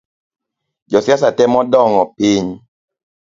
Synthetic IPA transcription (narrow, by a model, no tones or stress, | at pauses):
d͡ʒɔsjasatɛmɔdɔŋɔpiɲ